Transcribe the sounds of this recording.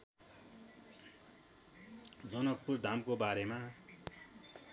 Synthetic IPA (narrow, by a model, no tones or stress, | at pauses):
d͡zʌnʌk̚purd̪ʱamkobaɾema